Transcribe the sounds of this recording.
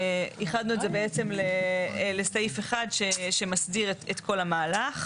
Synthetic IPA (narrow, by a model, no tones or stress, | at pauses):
iχad̪nuetze̞be̞et͡se̞mlelestajife̞χadʃeʃe̞masdiʁetet̪kʰo̞lamaːlaχ